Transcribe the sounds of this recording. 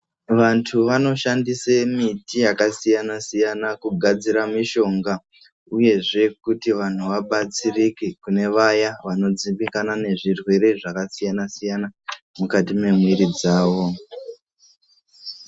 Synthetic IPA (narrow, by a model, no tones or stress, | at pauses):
ʋantʰuʋano̞ʃandisemitijakasijanasijanakuɡʱad͡ziɾamiʃo̞ŋɡa | uje̞ʐe̞kutiʋan̤uʋaɓat͡sirikikune̞ʋajaʋano̞d͡ziɓikanane̞ʐirwe̞ɾe̞ʐakasijanasijana | mukatime̞mwiɾid͡zaːʋo̞